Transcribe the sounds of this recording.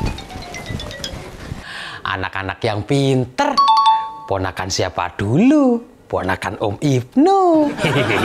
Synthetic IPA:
ʔa̰nakanakjaŋpint̪ər | pɔnakansiapa̰d̪̥ulu | pɔnakanumip̚nu

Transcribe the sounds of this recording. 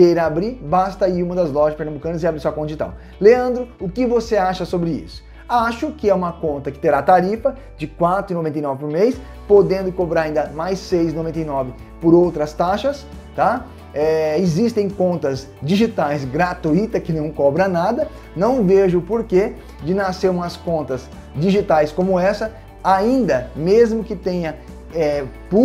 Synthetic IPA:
kejɾabɾibast̪ɐiũmɐd̪ɐzlɔʒɐspeɾnɐ̃bukɐ̃nɐzɪabɾisɔɐkõnt̪ɪt̪ɐ̰̃w̃ | leɐ̃nd̪ɾʊʊkɪvoseaʃɐsobɾɪḭsʊ̥ | aʃʊkɪɛũmɐkõnt̪ɐkɪ̥t̪eɾat̪aɾifɐ | d͡ʒɪkwat̪ɾʊinovẽnt̪ejnɔvɪpoɾmejs | pod̪ẽnd̪ʊkobɾaɾaĩnd̪ɐmajsejzinovẽnt̪ejnɔvɪ | poɾowt̪ɾɐst̪aʃɐs | t̪a | ɛɪzist̪ẽj̃kõnt̪ɐz | d͡ʒiʒit̪ajzɡɾat̪uit̪ɐkɪnɐ̃w̃kɔbɾɐnad̪ɐ | nɐ̃w̃veʒʊpoɾke | d͡ʒɪnaseɾũmɐskõnt̪ɐz | d͡ʒiʒit̪ajskõmʊɛsɐ | aĩnd̪ɐmezmʊkɪt̪ẽɲɐ | ɛpu

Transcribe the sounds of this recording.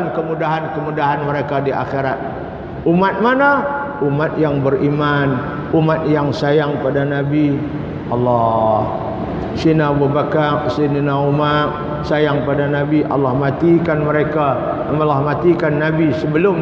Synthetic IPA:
nkəmudaɦankəmudaɦanməɾekadiʔa̰xeɾat̪̚ | umat̪̚mana | umat̪̚jaŋbərʔiman | umat̪̚jaŋsajaŋpadanabi | ʔɑlːɔh | sinabubakarsininaumar | sajaŋpadanabiʔa̰lːahmat̪ikanməɾeka | məlahmat̪ikanːabisəbəlʊm

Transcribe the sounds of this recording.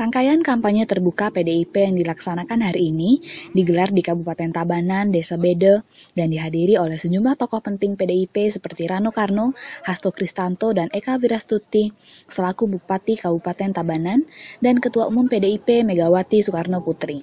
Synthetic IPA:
raŋkajankampaɲət̪ərbukapedeipejaŋdilaksanakanɦaɾiːnidiɡəlardikabupat̪ɛnt̪abanandesabedədandiɦadiɾiolɛhsəd͡ʒumlaht̪ɔkɔhpənt̪ɪŋpedeipesəpərt̪iɾanokarnohast̪okɾist̪ant̪odanʔekaviɾast̪ut̪isəlakubupat̪ikabupat̪ɛnt̪abanandankət̪uaumʊmpedeipemeɡawat̪isukarnoput̪ɾi

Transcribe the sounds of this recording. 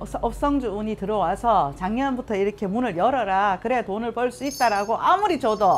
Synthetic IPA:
ʌp̚s͈ʌŋd͡ʑuːɲitɯɾʌwasʰʌt͡ɕaŋɲʌnbutʰʌiɾʌkʰe̞munɯɭjʌɾʌɾakɯɾe̞tonɯɭpʌɭs͈uit̚t͈aɾaɡoʔamuɾit͡ɕʌdo

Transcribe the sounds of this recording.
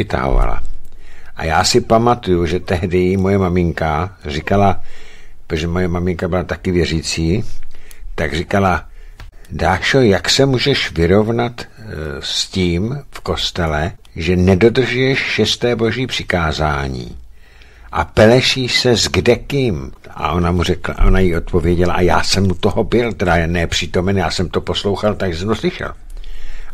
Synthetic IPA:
ɪt̪a̰ɦo̰va̰la̰ | ʔa̰jaːsɪpamat̪ujuʒɛt̪ɛɦdɛjɪmojɛmamɪŋkarikalapoʒɛmojɛmamɪŋkabɪlat̪akɪvjɛriːt͡siː | t̪aɡrikala | daːʃojaksɛmuːʒɛʃvɪɾo̞vnat̪sciːmfko̞st̪ɛlɛ | ʒɛnɛdo̞d̪r̩ʒujɛʃʃɛst̪ɛːbo̞ʒiːpr̝̥ɪ̥kaːzaːɲḭː | ʔa̰pɛlɛʃiːsɛzɡdɛkɪmʔa̰ʔo̞namurɛkla̰ʔonajio̞t̪̚po̞vjɛɟɛlaʔajaːsɛmut̪oɦobɪlt̪ɛdanɛpr̝̥it̪o̞mɛnjaːsɛmt̪o̞po̞slo̞wxalt̪aɡʒɛsɛmt̪oslɪʃɛ̰l

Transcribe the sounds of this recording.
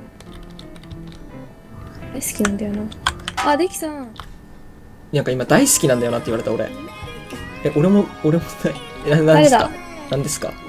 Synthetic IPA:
aisɨ̥kʲinãnd̪ajonaad̪ekʲi̥t̪ã | nãŋkaimad̪aisɨ̥kʲinãnd̪ajo̞nat̪ːeiβaɾe̞t̪ao̞ɾe̞̰ | eʔo̞ɾe̞mooɾe̞moeaãnd̪eka̰nãnd̪e̞sɨ̥ka̰

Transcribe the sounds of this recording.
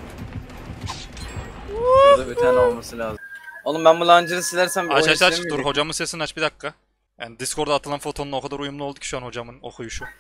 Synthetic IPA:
d̪abit̪ʰaːnɛolˠmasɯlʲaːzɯmonumbɛænbulˠaːnd͡ʒɯɾɯsilʲæɾsæmat͡ʃaʃt̪at͡ʃk̪uɾho̞d͡ʒamɯnsesinat͡ʃbid̪akʰːa | janid̪iskʰo̞ɾd̪aːt̪ʰɯlˠanfo̞t̪ʰo̞nːokʰad̪aɾujumlˠulˠd̪uci̥ʃuanho̞d͡ʒamɯno̞̰xʰujuʃu

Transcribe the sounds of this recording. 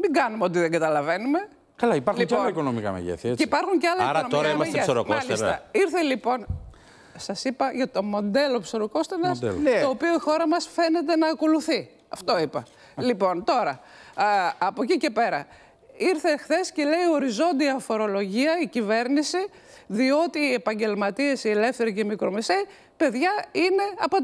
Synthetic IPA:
miŋɡɐnumeot̪iðeŋɡɐt̪ɐlɐve̞nume̞ | kɐlɐipɐɾxlialɐiko̞nomikɐ̰mḛʝḛθiɐet͡sceipɐɾxuɲceɐlɐikonot̪okɾɐiɐmɐsʝeesoɾokmomɐsliesɐiɾθelipo̞n | sɐsipɐʝɐt̪o̞mo̞nd̪e̞lo̞pso̞ɾoko̞st̪enɐsd̪t̪oːpioixo̞ɾɐmɐsfe̞ne̞t̪̬e̞nɐːko̞luθi | ɐft̪o̞ipɐ | lipo̞nt̪o̞ɾɐ | ɐpocice̞pe̞ɾɐ̰ | iɾθe̞xθe̞sceleio̞ɾizo̞nd̪iɐfo̞ɾo̞lo̞ʝiɐicive̞ɾnisi | ðio̞t̪iːe̞pɐɲɟe̞lmɐt̪ie̞sie̞le̞fθe̞ɾicemikɾo̞me̞sei | pe̞ðʝɐine̞ɐpot̪

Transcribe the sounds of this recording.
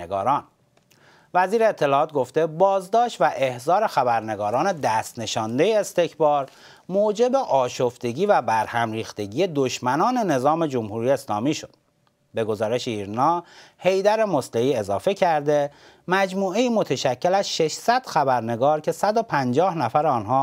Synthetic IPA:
eɡɒːɾɒːn | væziːɾeːt̪ʰːe̞lɒːt̪̚ɡo̞ft̪e̞bɒːzd̪ɒːʃt̪væʔe̞hzɒːɾe̞xæbæɾne̞ɡɒːɾɒːne̞d̪æːst̪ne̞ʃɒːnd̪e̞jeːst̪e̞cʰbɒːɾ | moːd͡ʒe̞be̞ʔɒːʃoft̪e̞ɟiːvæbæɾhæmɾiːxt̪e̞ɟiːje̞d̪oʃmænɒːne̞ne̞zɒːme̞d͡ʒo̞mhuːɾiːjeːslɒ̰ːmiːʃod̪̥̚ | be̞ɡo̞zɒːɾe̞ʃeiːɾnɒːhe̞jd̪æɾe̞mosleiːe̞zɒːfe̞cʰæɾd̪e̞ | mæd͡ʒmuːeiːmo̞t̪ʰeʃæcʰːe̞læzʃe̞ʃsæd̪̥xæbæɾne̞ɡɒːɾcʰe̞sæd̪opʰænd͡ʒɒːhnæfæɾɒːnɦɒː

